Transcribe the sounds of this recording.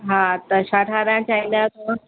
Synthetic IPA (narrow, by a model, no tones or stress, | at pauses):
ɦãt̪aɕaʈʰaɾjãt͡ɕailjat̪o